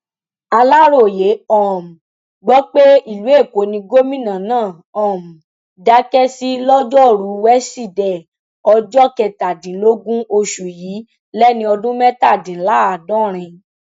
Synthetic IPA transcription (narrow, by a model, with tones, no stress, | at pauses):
a˧la˦ɾo˦˨je˨˦ɔ˦˨m̩˨ | ɡ͡bɔ˦k͡pe˦i˦˨lu˨˦e˦˨ko˨˦nĩ˧ɡo˦mĩ˦˨nã˨nãː˦˨ | ɔ̃˨m̩˨ | da˧˦kɛ˦si˦lɔ˦d͡ʒɔ˦˨ɾu˨˦wɛ˦si˦˨dɛ˨ | ɔ˧d͡ʒɔ˦kɛ˨ta˨dĩ˨˦lo˦ɡũ˦o˧ʃu˨jiː˨˦ | lɛ˦nĩ˧ɔ˧dũ˦mɛ̃˦ta˦˨dĩ˨˦la˨˦a˨dɔ̃˦ɾ̃ĩ˧